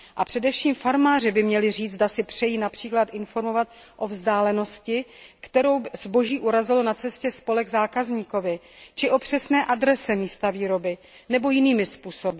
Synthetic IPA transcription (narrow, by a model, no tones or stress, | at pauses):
ʔapr̝̥ɛdɛfʃiːmfaɾmaːr̝ɪbɪmɲɛlɪriːd͡zdasɪpr̝̥ɛjiːnapr̥iːklat̪ʔɪnfo̞ɾmo̞vat̪̚ | ʔo̞vzdaːlɛno̞scɪkt̪ɛɾo̞wzbo̞ʒiːʔuɾazɪlonat͡sɛscɛspo̞lɛɡzaːkazɲiːko̞vɪ | t͡ʃɪʔo̞pr̝̥ɛsnɛːʔadɾɛsɛmiːst̪aviːɾo̞bɪ | nɛbo̞jɪniːmɪspuːsobɪ